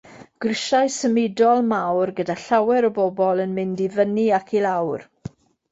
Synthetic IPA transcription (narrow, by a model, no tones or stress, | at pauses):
ɡ̥rɪʃajsəmɪdɔlˠmawrɡədaɬawɛɾəbɔbɔlˠənmɪndivəniakʰilawr